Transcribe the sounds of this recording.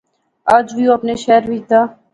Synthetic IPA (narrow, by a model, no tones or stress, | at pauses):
ad͡ʒʋiõɐpneʃɛːɾʋid͡ʒd̪aː